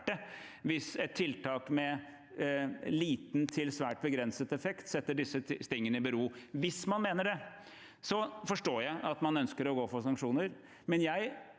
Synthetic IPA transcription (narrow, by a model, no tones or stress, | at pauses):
ʈə | ʋɪsɛt̪ʰːɪlt̪ʰɑːkmɛ | liːt̪n̩t̪ʰɪlsʋæːʈ̚bəɡɾɛnsət̪ɛfɛkt̪sɛt̪ːəɖɪsːəst̪ɪŋːənəɪbəɾuːʋɪsmɑnmeːnəɖɛ | sɔfɔʂʈoːjæɪʔɑt̪mɑnœnskəɾɔɡoːfɔsɑŋkʂuːnəɾ | mɛnjæɪ